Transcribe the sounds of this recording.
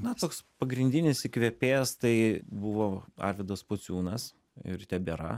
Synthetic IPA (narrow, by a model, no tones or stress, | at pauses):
nɐt̪oːkspɐɡɾʲɪnʲd̪ʲɪnʲɪsɪkʋʲepʲeːst̪ɐɪbʊʋoːɐ̰ɾʲʋʲɛd̪ɐspot͡s̪ʲuːnɐs | ɪ̰ɾt̪ʲɛbʲeɾɐ̰